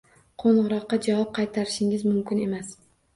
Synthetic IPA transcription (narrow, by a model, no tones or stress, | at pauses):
qʰoɴʁʊɾɒqːɑd͡ʒavɒp̚qʰɑjt̪ʰaɾɪʃɪŋɪzmʊmkʲɪne̞mas